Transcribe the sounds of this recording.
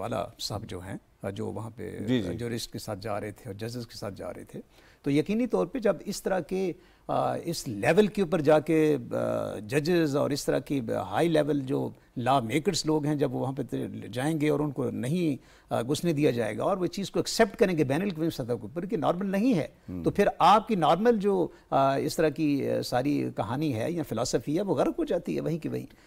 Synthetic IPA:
a̰ːla̰sɐ̰bd͡ʒo̰ːɦɛ̰̃ | d͡ʒo̰ːʋɐɦãpḛd͡ʒid͡ʒuːɾɪsʈ̚kesaːt̪̚ʰd͡ʒa̰ːɾɐɦet̪ʰeɔːɾd͡ʒɐd͡ʒɪzkesa̰ːt̪̚ʰd͡ʒa̰ːɾɐ̰ɦḛt̪ʰeː | t̪ojɐkiːnit̪ɔːɾped͡ʒɐbɪst̪ɐɾake | ɪslɛːʋəlkeup̬əɾd͡ʒaːke | d͡ʒɐd͡ʒɪzɔ̰ːɾɪst̪ɐɾa̰keɦa̰ːilɛːʋəld͡ʒoː | laːʋmeːkəɾsloːɡɦɛ̃d͡ʒɐbʋoʋɐɦãp̬et̪d͡ʒaːẽːŋɡeɔːɾʊnkonɐɦĩ | ɡʊsned̪ijad͡ʒa̰ːḛːɡa̰ɔːɾʋot͡ʃiːzkoɛksɛp̚ʈkɐɾẽːɡebɛːnəlkʋĩsɐt̪əkeʊpːəɾkenɔ̰ːɾməlnɐɦĩɦɛ̰ː | t̪oːpʰɪɾaːp̚kinɔːɾməld͡ʒoː | ɪst̪ɐɾakisaːɾikɐɦaːniɦɛ̰ːjafɪlaːsəfiɦɛʋoɣɛɾət̪ɦod͡ʒaːt̪iɦɛ̰ʋɐɦĩkeʋɐ̰ɦḭ̃ː

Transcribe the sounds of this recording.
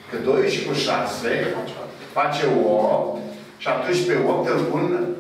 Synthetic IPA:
kəd̪oweʃikuʃase | fat͡ʃeop̚t̪ | ʃap̚t̪unt͡ʃpeop̚t̪elpun

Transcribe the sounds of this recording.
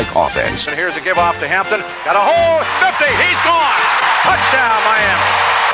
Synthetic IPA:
ɪkʰɔ̰θɪ̰̃nz̥ɨ̃nhiɹzɨɡɪbɔftɨɦæ̃mp̚tɨ̃n | ɡ̥ɑɾəhoʊlˠfɪftiizɡɔ̃npʰʌt͡ʃd̥ãʊ̃nmaɪæ̃m

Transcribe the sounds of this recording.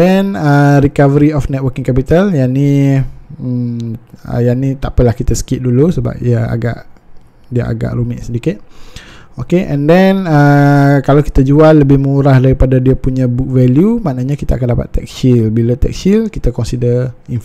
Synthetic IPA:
dɛnəɾikavəɾiɔfnɛt̪wəkĩŋkɛpit̪aljani | ə̰janit̪aʔpəlahkit̪asə̥kit̪̚dulusəba̰p̚diaa̰ɡa̰ʔ | diəa̰ɡa̰ʔɾumɪʔsədikɪt̪̚ | okeʔɛ̰̃ndɛnəkalawki̥t̪ad͡ʒualːəbɪhmuuɾahdaɾipadadiapuɲãbuk̚vɛljumaʔnaɲakit̪aakandapa̰t̪ːɛ̰k̚ʃilbilat̪ɛ̰k̚ʃilkit̪akɔnsidəin

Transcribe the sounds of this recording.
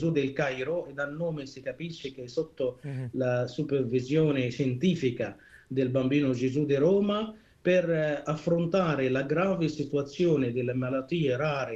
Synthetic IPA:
zud̪ɪlkajɾoɛd̪alnːoːmɪsikapiʃːɪkeɛsot̪ːolasupervizjɔːnɪʃɛnt̪iːfika | d̪ɪlbambiːnʊd͡ʒezud̪iɾɔːma | pɪrafːɾont̪aːɾɪlaɡɾaːvɪsit̪uat̪sːjɔːnɪd̪ɪlːemalat̪ːiːeɾaːɾɪ

